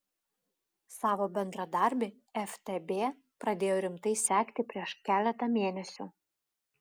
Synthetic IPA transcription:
sɑːʋoːbʲɛnd̪ɾɐd̪ɐˑɾʲˑbʲe | ɛft̪ʲɛbʲeː | pɾɐd̪ʲeːjoːɾʲɪmt̪ɐɪsʲæːkʲt̪ʲɪpʲɾʲiɛʃkʲæːlʲɛt̪ɐmʲeːnʲɛsʲʊ

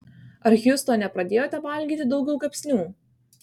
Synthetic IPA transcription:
ɐɾjust̪oːnʲɛpɾɐd̪ʲeːjoːt̪ʲɛʋɐlʲɡʲiːt̪ʲɪd̪ɒʊɡʲɛʊɡɐpʲsʲnʲuː

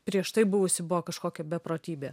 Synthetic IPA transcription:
pʲɾʲiɛʃt̪ɐɪbʊʋʊsʲɪbʊʋoɔkɐʃkoːkʲɛbʲɛpɾoːt̪ʲiːbʲeː

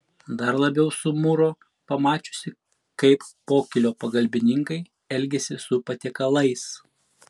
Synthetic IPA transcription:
d̪ɐɾlˠɐbʲɛʊsʊmʊɾo | pɐmɑːt͡ʃʲʊ̥sʲɪ | kɐɪpːoːkʲɪlʲoːpɐɡɐlʲbʲɪnʲɪŋkɐɪ | ɛlʲɡʲɛsʲɪsʊpɐt̪ʲɛkɐlˠɐɪs

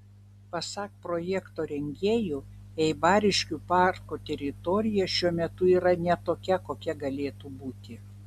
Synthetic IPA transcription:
pɐsɑːk̚pɾoːjɛkt̪oːɾʲɛŋʲɡʲeːjuɛɪbɑːɾʲɪʃʲkʲuːpɑˑɾkut̪ʲɛɾʲɪt̪ɔɾʲɪjɛʃʲuɔmʲɛt̪ʊiːɾɐnʲɛt̪oːkʲɛkoːkʲɛɡɐlʲeːt̪uːbuːt̪ʲɪ

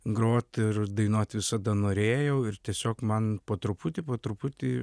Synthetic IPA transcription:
ɡɾoːt̪ɪrd̪ɐɪnoːt̪ʲʋʲɪsɐd̪ɐnoːɾʲeːjɛʊɪrt̪ʲiɛsʲoːkmɐnpoːt̪ɾʊpʊt̪ʲipoːt̪ɾʊpʊt̪ʲi

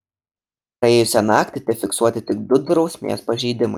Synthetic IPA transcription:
pɾɐeːjʊsʲɛnɑːkt̪ʲɪt̪ʲɛfʲɪksuɔt̪ʲɪt̪ʲɪɡ̚d̪ʊd̪ɾɒʊsʲmʲḛːspɐʒʲiːd̪ʲɪmɐɪ

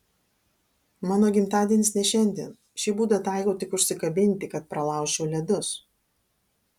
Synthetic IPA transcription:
mɑːnoːɡʲɪmt̪ɑːd̪ʲiɛnʲɪsnʲɛʃʲɛnʲd̪ʲḭːn | ʃʲiːbuːd̪ɐt̪ɑˑɪkoʊt̪ʲɪkʊʃʲsʲɪkɐbʲɪnʲt̪ʲɪkɐt̪̚pɾɐlˠɑˑʊʃʲt͡ʃʲɛʊlʲɛd̪ʊs

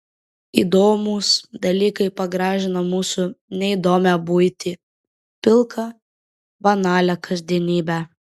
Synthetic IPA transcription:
ḭːd̪oːmusd̪ɐlʲiːkɐɪpɐɡɾɑːʒʲɪnɐmuːsʊnʲɛɪd̪oːmʲæbujt̪ʲiː | pʲɪlˠkʰɐ | bɐnɑːlʲɛkɐzʲd̪ʲiɛnʲiːbʲæ

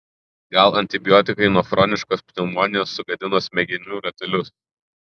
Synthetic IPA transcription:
ɡɐlˠɐnʲt̪ʲɪbʲɪjɔːt̪ʲɪkɐɪnuɔfɾɔnʲɪʃkoːspʲnʲɪmɔnʲɪjoːsːʊɡɐd̪ʲɪnoːsmʲɛɡʲɪnʲuːɾɐt̪ʲɛlʲʊs

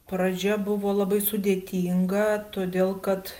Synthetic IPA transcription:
pɾɐd͡ʒʲɛbʊʋoːlˠɐbɐɪsʊd̪ʲeːt̪ʲiːŋɡɐt̪oːd̪ʲeːlˠkɐt̪

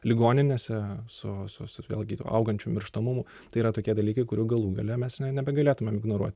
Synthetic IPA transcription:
lʲɪɡoːnʲɪnʲesʲɛsʊsʊsʊʋʲḛːlʲˠɡʲɪt̪ːʔɐ̰ʊɡɐnʲt͡ʃʲuːmʲɪɾʃt̪ɐmʊmʊ | t̪ɐɪiːɾɐt̪oːkʲiɛd̪ɐlʲiːkɐɪkʊɾʲuːɡɐlˠuːɡɐlʲɛmʲɛsnʲɛnʲɛbʲɛɡɐlʲeːt̪ʊmʲɛmɪɡnoːɾuɔt̪ʲ

